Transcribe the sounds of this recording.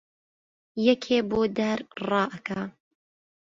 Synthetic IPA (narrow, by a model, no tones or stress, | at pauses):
jɛkʰeːboːd̪ɐɾrɑːʔɐkʰa